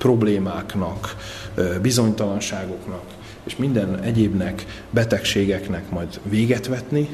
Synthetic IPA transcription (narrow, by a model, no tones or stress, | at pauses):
pro̞bleːmaːknɒk | bizo̞ɲt̪ɒlɒnʃaːɡo̞knɒk | eːʃmind̪ɛnɛɟeːbnɛk | bɛt̪ɛkʃeːɡɛknɛkmɒjd̪ʋeːɡɛt̪ʋɛt̪ni